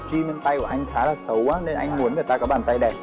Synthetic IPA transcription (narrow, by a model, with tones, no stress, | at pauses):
t͡ɕi˧ne˧nt̪a˧jkɔ˨˩ʔa˧jŋ̟xaː˨˦laː˨˩sə˨˦waː˨˦ne˧nʔa˧jŋ̟mu˨˦ənŋɨ˨˩ət̪aː˧kɔː˨˦ɓaː˨˩nt̪a˧jɗɛ˨˩